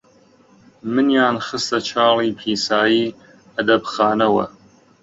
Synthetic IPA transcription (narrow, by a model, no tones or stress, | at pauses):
mɨnjaːnχɨst̪ɐt͡ʃʰɑːliːpʰiːsaːjiː | ɐd̪ɐbxaːnɐwɐ̰